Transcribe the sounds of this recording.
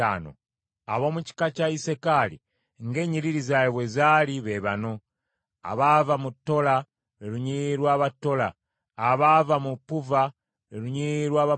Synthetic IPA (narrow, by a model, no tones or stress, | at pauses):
a̰no̰ | a̰βo̞ːmuci̥kacaisekalḭ | ŋɡe̞ːɲiɾiɾizajeβwezaːliβeβano̞ | a̰βavamutːo̞la | eluɲiɾwaːβatːo̞laː | βavamupuva | ɾeluɲiɾwaːβa